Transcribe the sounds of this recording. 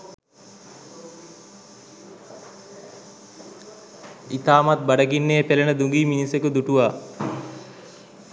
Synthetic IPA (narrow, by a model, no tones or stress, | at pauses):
it̪aːmat̪̚bɐɖɐɡinːeːpelɐnəd̪uŋɡiːminisekud̪uʈuʋaː